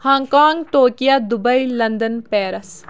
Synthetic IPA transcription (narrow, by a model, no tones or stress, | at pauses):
hãːŋkaːŋɡʈoːkijaːd̪ʊbəilɐnd̪ənpɛːɾəs